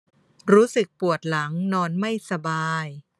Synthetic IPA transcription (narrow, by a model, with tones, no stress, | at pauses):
ɾuː˦˥sɯ˨˩k̚pu˨˩ət̪̚la˩˦ŋnɔː˧nma˥˩jsa˧baː˧j